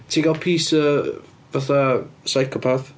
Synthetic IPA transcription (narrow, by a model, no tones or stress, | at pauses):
tʰiːɡalˠpʰiːsə | vaθasajkʰɔpʰaθ